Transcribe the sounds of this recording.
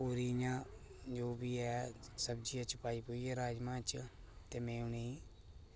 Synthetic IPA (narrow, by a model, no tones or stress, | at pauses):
oːɾiːjãː | d͡ʒoːbiːɛːsəbd͡ʒiːãːt͡ʃəpaːiːpoːiːɛːɾaːd͡ʒmãːt͡ʃ | t̪eːmẽːʊ̃neː